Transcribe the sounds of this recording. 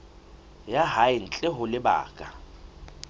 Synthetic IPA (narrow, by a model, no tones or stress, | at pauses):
jaɦaɪn̩t͡ɬʼɪɦʊlɪba̰ːkʼa